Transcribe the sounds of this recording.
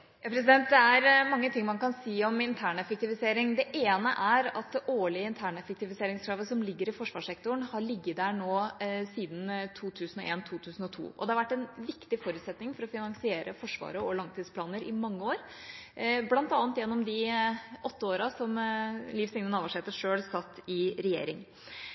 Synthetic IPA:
jɑpʰɾɛs̬ɪd̪ɛnt̪̚d̪ɛæɾmɑŋːət̪ʰɪŋːmɑnkɑnsiːɔmɪnt̪ʰæːɳɛfək̚t̪ɪʋɪseːɾɪŋd̪ɛʔeːnəʔæɾɑt̪ʔoːɭɪəɪnt̪ʰæːɳɛfək̚t̪ɪʋɪseːɾɪŋskʰɾɑːʋəsɔmlɪɡːəɾɪfɔʂʋɑːʂɛkt̪ʊɳhɑɭɪɡːəd̪æːɳoːsiːd̪n̩t̪ʰuːt̪ʰʉːsn̩ɔʔeːnt̪ʰuːt̪ʰʉːsn̩ɔt̪ʰṵːʔɔ̰d̪ɛhɑʋæʈːɛnʋɪkt̪ɪfɔɾʉt̪sɛt̪nɪŋfɔɾɔfɪnɑŋsɪeːɾəfɔʂʋɑ̰ːɾəɔlɑŋt̪ʰiːd̪spʰlɑːnəɾɪmɑŋːəoːɾ | blɑnt̪ɑːnt̪jɛnːɔmd̪ɪʔɔt̪ːəoːɾɑsɔmliːfsɪŋnənɑːʋɑʂeːt̪əʂøːlsɑt̪ːɪɾɛjḛːɾɪŋ

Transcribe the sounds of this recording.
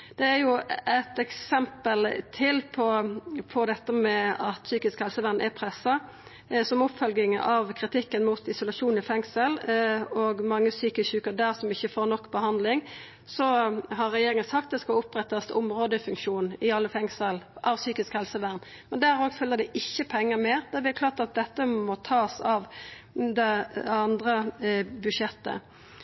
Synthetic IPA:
d̪̥ɛæɾjʊæt̪ɛksɛmpəlt̪ʰɪlpʰɔpʰɔd̪ɛt̪ːəmɛɑt̪syːkɪskhɛlsəʋæʁnʔɛpʰɾɛsːɑ | sɔmʊpfœlɡɪŋɑʋkʰɾɪt̪ʰɪkːənmʊt̪ɪsʊlɑʂuːnɪfɛŋsəlɔɡmɑŋːəsyːkəçʉːkəɾd̪æːʁsɔmɪçːəfoːɾnɔkːbəhɑnd̪lɪŋ | sɔɦɑɾːɛjeːɾɪŋənsɑk̚t̪̚d̪ɛskɑlʊpɾɛt̪ːɑst̪ʊmʁoːd̪əfʉŋkʃuːnɪɑlːəfɛŋsəlʔɑʋsyːkɪskhɛlsəʋæʁn | mɛnd̪æːɾoːɡfœlːəd̪ɛʔɪçːəpʰɛŋːəmeːɾd̪ɛʋɪækʰlɑːʁt̪ɑt̪̚d̪ɛt̪ːəmɔt̪ʰɑːsɑʋd̪ɛɑnd̪ʁəbʉʂɛt̪ːə̰

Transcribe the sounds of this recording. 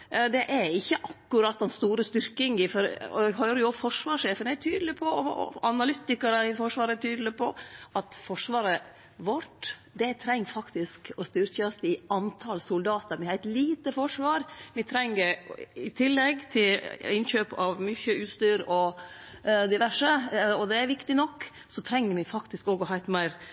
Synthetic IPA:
d̪ɛʔæɾɪçːəʔɑkːʉɾɑt̪ːɛnst̪uːɾəst̪ʏɾkɪŋɪfɔɾ̰hœːɾəjʊɔfɔʂʋɑːʂeːfənæt̪ʰyːd̪l̩ɪpʰɔɔ̰ɑnɑlʏt̪ɪkɑɾəɪfɔʂʋɑːɾət̪ʰyːd̪l̩ɪpʰɔʔɑt̪fɔʂʋɑːɾə | ʋɔʈːd̪ɛt̪ʰɾɛŋːfɑkt̪ɪskɔst̪yːɾçɑsɪɑnt̪ʰɑlsʊld̪ɑːt̪əɾmɪhæt̪liːt̪əfɔʂʋɑːɾʋɪt̪ʰɾɛŋːəɾɪt̪ʰɪlːɛɡt̪ʰɪlɪnçøːpɑʋmyçəʔʉːst̪yːɾɔ | d̪ɪʋæʂəɔd̪ɛæɾʋɪkt̪ɪnɔkː | sɔt̪ʰɾɛŋːəɾmɪfɑkt̪ɪskoːɡɔhɑɪt̪mæɪɾ

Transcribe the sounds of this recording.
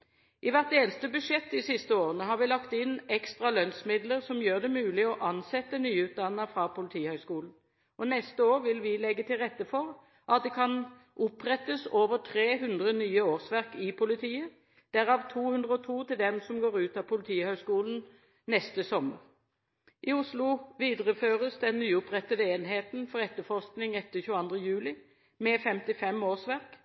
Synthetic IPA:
ʔɪʋæʁt̪̚d̪eːlst̪əbʉʂɛt̪ːd̪ɪsɪst̪əoːʁənəɦɑʁʋɪlɑkt̪ɪnɛkst̪ʁɑlœnsmɪd̪ləʁsɔmjøːʁd̪ɛmʉːlɪɔʔɑnsɛt̪ːənyːʉːt̪̚d̪ɑnːəfʁɑpʊlɪt̪ʰiːhœʏskuːln̩ | ɔnɛst̪əoːʁʋɪlʋɪlɛɡːət̪ʰɪlʁɛt̪ːəfɔʁ | ʔɑt̪̚d̪ɛkʰɑn | ʔʊpʁɛt̪əsoːʋəʁʈ̪ʰʁeːɦʉnd̪ʁənyːəoːʁsʋæʁkɪpʰʊlɪt̪ʰiːə | d̪̥æːʁɑːʋt̪ʰuːhʉnd̪ʁəɔt̪ʰuːt̪ɪld̪ɛmsɔmɡoːʁʉːt̪ɑpʰʊlɪt̪ʰiːhœʏskuːln̩ | nɛst̪əsɔmə̰ʁ | ʔɪʊslʊʋiːd̪əʁəføːʁəsd̪ɛnnyːʊpʁɛt̪ːəd̪əeːnheːt̪nfɔʁɛt̪ːəfɔʁsknɪŋɛt̪ːəçʉːɑnd̪ʁəjʉːlɪ | mɛfɛmt̪ɪfɛmoːsʋæʁk

